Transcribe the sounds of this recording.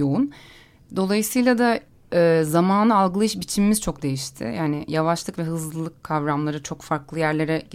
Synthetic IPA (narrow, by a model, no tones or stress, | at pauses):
o̞un | d̪o̞lˠajɯsɯjlˠad̪a | ɛːzamaːnɯalˠɡɯlˠaɯʃbit͡ʃʰimimiz̥t͡ʃʰo̞kd̪e̞jiʃt̪ʰɪ̰jaːnɪjavaʃlˠɯkvɛɦɯzlˠɯlˠɯkʰːavɾamlˠaɾɯt͡ʃʰo̞kfaɾklˠɯjæɾlʲe̞ɾɛ